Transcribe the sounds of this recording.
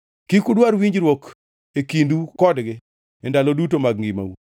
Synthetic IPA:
kikudwaɾwiɲd͡ʒɾwok | ekindukɔdɡɪ | ɛndalɔdutomaɡ̚ŋɡima̰wṵ

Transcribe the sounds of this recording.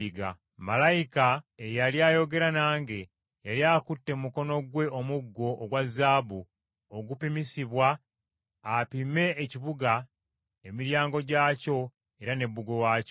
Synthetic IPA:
iɡa̰ | malajikaejaljaːjo̞ɡe̞ɾanaːŋɡe̞ | jaljakutːe̞muko̞no̞ɡwe̞omuɡːo̞ʔːɡwazːaːbu | oɡupimisiβwaː | pime̞ːciβuɡa | emiɾjaːŋɡo̞ɟaːco̞ | e̞ɾane̞bːuɡo̞waːco

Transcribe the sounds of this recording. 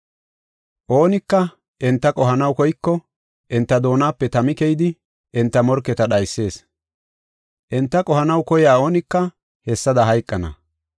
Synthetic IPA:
ʔo̞ːnɪkːɐ | ʔɛnt̪ːɐkʼɔɦɐnɐwkɔjkːɔ | ʔɛnt̪ːɐd̪o̞ːnaːpːɛt̪ɐmɪkɛjd̪ɪ | ʔɛnt̪ːɐmɔɾkːɛt̪ɐɗɐjsːe̞ːs | ʔɛnt̪ːɐkʼɔhɐnɐwkɔjaːo̞ːnɪkːɐ | hɛsːɐd̪ɐɦɐjkʼːɐnɐ̰

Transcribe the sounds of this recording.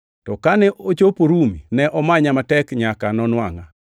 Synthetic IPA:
tɔkanɛʔot͡ʃopoɾuminɛʔɔmaɲamatɛkɲakanɔnwaŋa

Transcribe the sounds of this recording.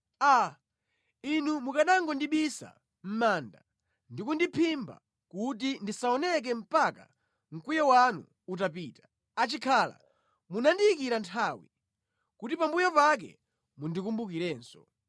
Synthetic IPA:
a | inumukaɗaŋɡɔndiɓisa̰ | m̩maːnda̰ | ndikundipʰimba̰ | kut̬indisaɔnɛk̬ɛm̩paka̰ | ŋ̩kujɔwanṵ | ut̬apiːtḁ | at͡ʃikʰala̰ | munandiikiɾantʰaːwi | kutipambujɔpak̬ɛ̰ | mundikumbukiɾɛːnsɔ

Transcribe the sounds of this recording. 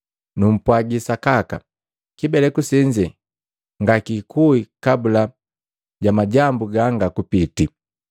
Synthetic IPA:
num̩pwaɡisakaka̰ | kibɛlɛkusiɲd͡ʒɛ | ŋɡakikʰuikabula | ɟamaɟambuɡaŋɡakupiti

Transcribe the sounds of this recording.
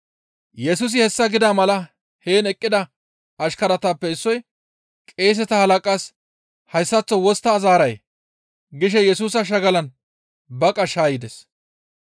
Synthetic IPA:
jɛsuːs̬ɪhɛsːɐɡɪd̪amɐlɐ | he̞ːnɛkʼːɪd̪ɐ | ɐʃkɐɾɐt̪apːɛɪsːɔj | kʼe̞ːs̬ɛt̪ɐhɐlɐkʼaːs | hɐjsːɐt͡sːɔwɔst̪ːɐːzaːɾɐjḛ | ɡɪʃ̬ɛjɛsuːsɐʃ̬ɐɡɐlɐn | bɐkʼɐʃaːjɪd̪ɛs

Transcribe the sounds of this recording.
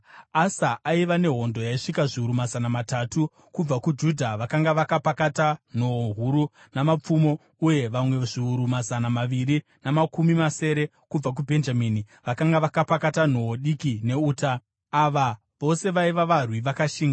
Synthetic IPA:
asaʔaiʋane̞ɦo̞ndo̞jaiʂikaʐiuɾumazanamatatu | kub͡vakud͡ʒudʱaʋakaŋɡaʋakapakatan̤o̞oɦuɾu | namap͡fumo̞ | uje̞ʋamwe̞ʐiuɾumazanamaʋiɾi | namakumimase̞ːɾe̞ | kub͡vak̬ubʱe̞nd͡ʒamiːni | ʋakaŋɡaʋakapakatan̤o̞ɦoɗikine̞uːtaː | ʋa | ʋo̞se̞ʋaiʋaʋarwiʋakaʃiːŋɡa

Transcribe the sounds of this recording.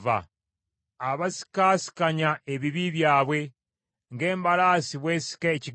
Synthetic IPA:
va̰ː | βasi̥kaːsi̥kaɲaʔeβiβiβjaːβwe̞ | ŋɡe̞ːmbalaːsiβwe̞ːsi̥keeciɡ

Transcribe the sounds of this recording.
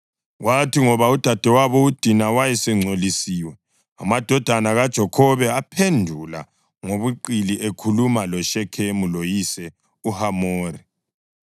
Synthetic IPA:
watiŋɔβaud̥ʱad̥ʱɛwaβɔud̥ʱinawajɛsɛŋ͡ǀʱolisiːwɛ | a̰mad̥ʱɔd̥ʱanaɣad̥ʒ̥ʱɔkʰɔβɛapʰendʱula̰ | ŋoβuǃiliʔekʰulumalɔʃɛkʰemulojisɛ | uhamoːɾi

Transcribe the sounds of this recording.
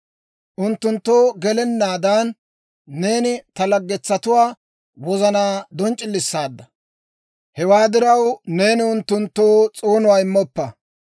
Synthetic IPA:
ʔʊnt̪ːʊnt̪ːo̞ːɡɛlɛnːaːd̪aːnː | e̞ːnɪt̪ɐlɐɡːɛt͡sːɐt̪ʊwaː | wɔzɐnaːd̪ɔnt͡ʃʼɪlːɪsːaːd̪ːɐ | hɛwaːd̪ɪɾɐwne̞ːnɪʊnt̪ːʊnt̪ːoːt͡sʼoːnʊwaːɪmːɔpːɐ

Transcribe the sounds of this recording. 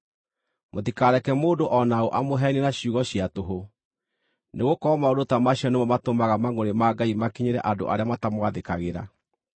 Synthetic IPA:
motikaɾɛkɛmoːdoʔɔnaoʔamoɦɛnenaɕjuːɣɔɕiatoɦo | neɣokɔmaodotamaɕiɔnemɔmatomaɣamaŋoɾemaɡaimakeɲeɾɛ̰ʔado̰ʔa̰ɾeamatamwaðekaɣeɾa̰

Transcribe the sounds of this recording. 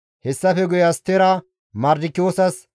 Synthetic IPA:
hɛsːɐfɛɡʊjɐst̪ːeɾɐ | mɐɾd̪ɪkːɪjoːsɐs

